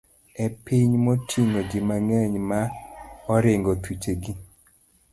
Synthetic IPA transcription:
ɛpiɲmotʰiŋod͡ʒɪmaŋɛɲmaɔɾɪŋɡot̪ut͡ʃeɡi

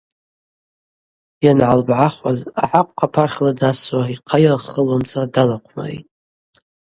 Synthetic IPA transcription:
janʕalbʕaχwaza̰ħakʷʼqʰapʰarχʲladaswaiqʰajrχəlwamt͡sʰʼaradalaqʷʰma̰rḭtʼ

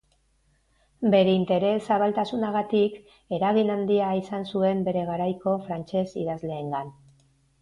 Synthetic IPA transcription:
be̞ɾe̞int̪e̞ɾe̞saβalt̪asunaɣ̞at̪ik | e̞ɾaɣ̞inand̪iaisansue̞mbe̞ɾe̞ɣ̞aɾajko̞fɾant͡ʃe̞sḭðazle̞ːŋɡan

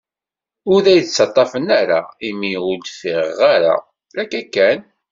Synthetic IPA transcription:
ʊɾðæjt͡sːɑt̪ˤːɑfənaɾaimiʊld̪fiʁaɾa̰ | lækːækːæn

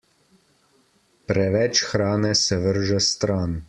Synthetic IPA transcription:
pɾɛʋɛt͡ʃxɾaːnɛsɛʋəɾʒɛst̪ɾaːn

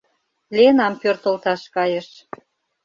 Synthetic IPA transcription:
lenɑmpørt̪ə̆lt̪ɑʃkɑjĕʃ

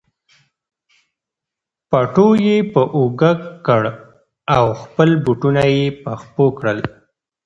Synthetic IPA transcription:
paʈojepəʔoɡakkːəɽ | awxpəlbuʈunajepaxpokɽəl

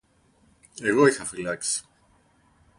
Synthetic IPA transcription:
eɣoixafilaks

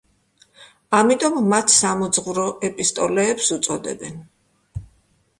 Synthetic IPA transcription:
amit̪ʼɔmːat̪ʰsamɔd̪zʁvuɾɔʔɛpʼist̪ʼɔlɛːpsut̪sʼɔd̪ɛ̰bɛn

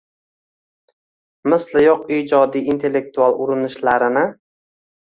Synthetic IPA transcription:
mɪslɪjoqiːd͡ʒɒd̪ijint̪ʰe̞lːe̞k̚t̪ualˠʊɾɪnɪʃlaɾɪnɪ

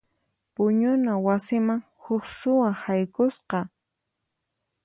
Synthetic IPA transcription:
pʊɲʊnawasɪmaŋ | hʊksʊwahajkʊsqɑ

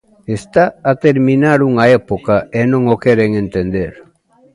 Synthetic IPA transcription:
est̪aːt̪eɾmĩnaɾuŋaepokaenõŋokeɾeŋent̪end̪eɾ

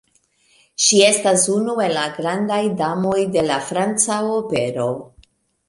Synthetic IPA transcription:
ʃie̞stasunue̞laɡɾandajdamo̞jde̞lafɾant͡saope̞ɾo̞

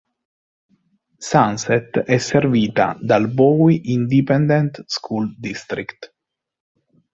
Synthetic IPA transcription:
sansɛt̪ɛserviːt̪a̰d̪albɔwiʔind̪ipɛnd̪ɛnt̪skʰuld̪ist̪ɾikt̪

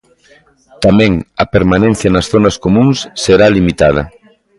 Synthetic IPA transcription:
t̪amɛ̃ŋɐpeɾmanẽn̟θjɐnɐsθonɐskomũŋsːeɾalimit̪að̞ɐ̰

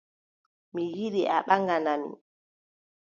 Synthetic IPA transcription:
mijiɗiʔaɓaŋɡananḭ

